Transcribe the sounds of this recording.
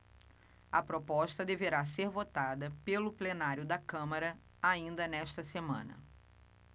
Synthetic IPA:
ɐpɾopɔʃt̪ɐd̪eveɾaseɾvot̪ad̪ɐpelʊplenaɾjʊd̪ɐkɐ̃mɐɾɐ | aĩnd̪ɐnɛʃt̪ɐsemɐ̰̃nɐ̰

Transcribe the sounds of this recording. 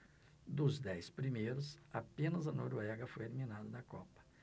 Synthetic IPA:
d̪ʊzd̪ɛjspɾimejɾʊsapẽnɐzɐnoɾoɛɡɐfojelimĩnad̪ɐnɐkɔpɐ̥

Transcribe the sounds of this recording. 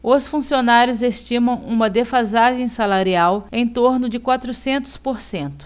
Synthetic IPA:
ʊsfũsionaɾjʊzest͡ʃĩmɐ̃w̃ũmɐd̪efazaʒẽj̃salaɾiawẽj̃t̪oɾnʊd͡ʒɪkwat̪ɾʊsẽnt̪ʊ̥spoɾsẽnt̪ʊ̥

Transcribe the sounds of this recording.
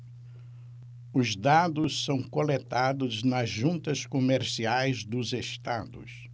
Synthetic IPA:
ʊzd̪ad̪ʊssɐ̃w̃kolet̪ad̪ʊznɐzʒũnt̪ɐskomeɾsiajzd̪ʊzeʃt̪ad̪ʊ̰s

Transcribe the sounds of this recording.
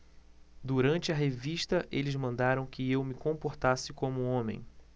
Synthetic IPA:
d̪uɾɐ̃nt͡ʃɪɐɦeviʃt̪ɐʔelɪzmɐ̃nd̪aɾɐ̃w̃kɪewmɪkõpoɾt̪asɪkõmʊõmḛ̃j̃

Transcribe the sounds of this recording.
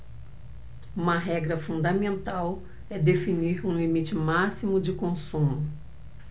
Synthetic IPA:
ũmɐɦɛɡɾɐfũnd̪ɐmẽnt̪aw | ɛd̪efiniɾũlimit͡ʃɪmasimʊd͡ʒɪkõsũmʊ

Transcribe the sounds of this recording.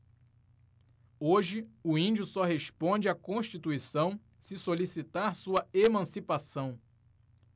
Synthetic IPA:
oʒɪʊĩd͡ʒʊsɔɦespõd͡ʒɪakõʃt͡ʃit̪uisɐ̃w̃ | sɪsolisit̪aɾsuɐemɐ̃sipasɐ̃w̃

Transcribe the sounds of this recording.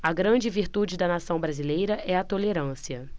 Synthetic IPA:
ɐɡɾɐ̃d͡ʒɪviɾt̪ud͡ʒɪd̪ɐnasɐ̃w̃bɾazilejɾɐʔɛɐt̪oleɾɐ̃siɐ

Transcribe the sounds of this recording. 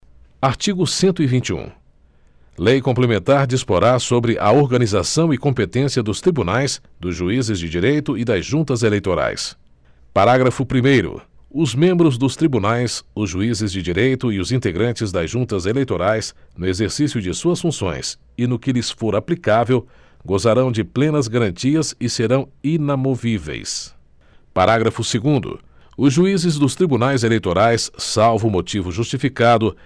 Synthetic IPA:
aɾt͡ʃiɡʊsẽnt̪ʊivĩt͡ʃiṵ̃ | lejkõplemẽnt̪aɾd͡ʒispoɾaɾsobɾɪʔɐoɾɡɐnizasɐ̃w̃ɪkõmpet̪ẽsiɐd̪ʊst̪ɾibunajs | d̪ʊzʒuizɪzd͡ʒɪd͡ʒiɾejt̪ʊɪd̪ɐzʒũnt̪ɐzelejt̪oɾa̰js | paɾaɡɾɐfʊpɾimejɾʊ̰ʊzmẽmbɾʊzd̪ʊst̪ɾibunajsʊzʒuizɪzd͡ʒɪd͡ʒiɾejt̪ʊɪʊzĩnt̪eɡɾɐ̃nt͡ʃɪzd̪ɐzʒũnt̪ɐzelejt̪oɾajsnʊezeɾsisjʊd͡ʒɪsuɐsfũsõ̰j̃s | ɪnʊkɪlɪsfoɾaplikavew | ɡozaɾɐ̃w̃d͡ʒɪplẽnɐzɡaɾɐ̃nt͡ʃiɐzɪseɾɐ̃w̃inamovivḛjs | paɾaɡɾɐfʊseɡũnd̪ʊ̰ | ʊzʒuizɪzd̪ʊst̪ɾibunajzelejt̪oɾajsːawvʊmot͡ʃivʊʒust͡ʃifikad̪ʊ

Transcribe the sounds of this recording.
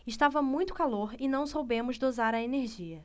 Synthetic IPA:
ɪʃt̪avɐmũj̃t̪ʊ̥kaloɾɪnɐ̃w̃sowbẽmʊzd̪ozaɾɐeneɾʒiɐ

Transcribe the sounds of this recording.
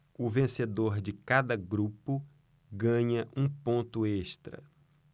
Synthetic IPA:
ʊvẽsed̪oɾd͡ʒɪkad̪ɐɡɾupʊ | ɡɐ̃ɲɐʔũpõnt̪ʊeʃt̪ɾɐ̰

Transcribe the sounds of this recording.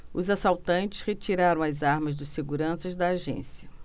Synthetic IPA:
ʊzasawt̪ɐ̃nt͡ʃɪ̥shet͡ʃiɾaɾɐ̃w̃ɐzaɾmɐzd̪ɐsseɡuɾɐ̃sɐzd̪ɐːʒḛ̃siɐ

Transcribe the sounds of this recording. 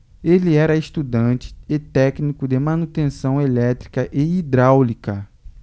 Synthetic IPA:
eliɛɾɐeʃt̪ud̪ɐ̃t͡ʃɪ̥et̪ɛknikʊd̪emɐ̃nut̪ẽsɐ̃w̃elɛt̪ɾikɐʔeid̪ɾawlikɐ

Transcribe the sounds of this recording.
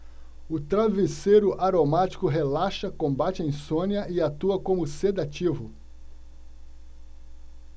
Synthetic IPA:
ʊt̪ɾavesejɾʊʔaɾomat͡ʃi̥kʊɦelaʃɐkõmbat͡ʃɪẽj̃sõniɐʔɪat̪uɐkõmʊsed̪at͡ʃivʊ

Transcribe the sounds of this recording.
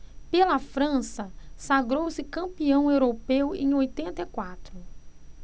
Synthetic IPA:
pelɐfɾɐ̃sɐsaɡɾowsɪkɐ̃mpiɐ̃w̃ewɾopewḛ̃j̃ojt̪ẽnt̪ɐikwat̪ɾʊ

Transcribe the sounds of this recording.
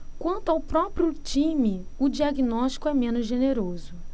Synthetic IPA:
kwɐ̃nt̪ʊawpɾɔpɾiʊt͡ʃĩmɪʊd͡ʒiaɡinɔʃt͡ʃi̥kʊɛmẽnʊzʒeneɾozʊ

